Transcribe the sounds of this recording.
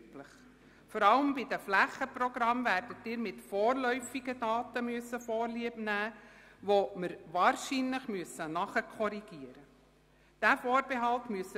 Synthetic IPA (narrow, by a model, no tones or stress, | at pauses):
pləχ | fɔɾɑləmbidəflæχəprɔɡ̥ɾɑmvæːɾdətːɪːɾmɪtfɔːɾlœʏfiɡədɑːtəmyəsːəfɔːɾliəbnæː | ʋoməɾʋɑːɾʃinləχmyəsənɑχəkʰɔɾiɡ̥iəɾə | d̥æfɔːɾbeɦɑltmyəsə